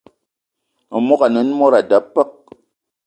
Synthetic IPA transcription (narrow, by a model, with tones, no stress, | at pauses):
mu˦ka˨nɨ˨˦n˦mo˦ɾa˨da˨˦pːə˦k̚